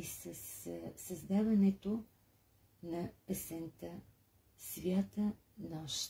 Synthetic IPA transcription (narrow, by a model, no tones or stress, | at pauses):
isəsːɐzd̪avɐnɛt̪o | nɐpəsɛnt̪ə | svjat̪ə | nɔʃ